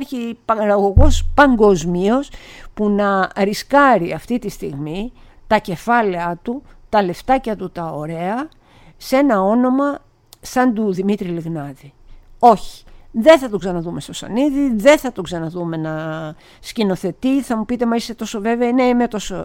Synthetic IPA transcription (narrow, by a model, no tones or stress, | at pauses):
çipɐɾɐɣo̞ɣo̞spɐŋɡo̞zmio̞spunɐɾiskɐɾiɐft̪it̪ist̪iɣmi | t̪ɐce̞fɐleɐt̪ut̪ɐle̞ft̪ɐcɐt̪ut̪ɐo̞ɾe̞ɐ | se̞nɐo̞no̞mɐ | sɐnd̪uðimit̪ɾiliɣnɐðio̞çi̥ðe̞θɐt̪oksɐnɐðume̞st̪osɐ̰niðiðe̞θɐt̪oksɐnɐðume̞nɐ | scino̞θe̞t̪iθɐmupit̪e̞mɐist̪e̞t̪o̞so̞ve̞veɐineimet̪o̞so